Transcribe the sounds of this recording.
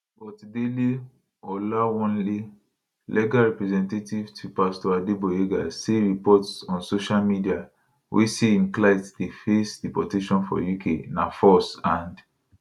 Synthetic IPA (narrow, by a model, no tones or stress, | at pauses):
bɔtdeli | ɔlawɔ̃nli | lʔɛɡaɹɛpɹɛzɛ̃ntetivtʰupastɔadeboeɡaseɹipɔtsɔ̃nsoʃalmidia | wʔḛseĩnklaɪtdefesdipɔteʃɔ̃nfɔ̰jukʰenafɔsãnd